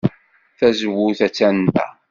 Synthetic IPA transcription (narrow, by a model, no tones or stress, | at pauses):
θæzəwːʊθæt͡sːæntæ̰